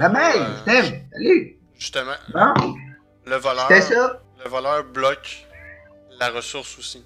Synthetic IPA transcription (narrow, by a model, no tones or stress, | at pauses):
mamajt̪ɛmsaly | ʒyst̪əmɑ̃bɔ̃ | ləvalsɛsʌləvalœːʁblɔkʲ | laʁəsʊʁsusi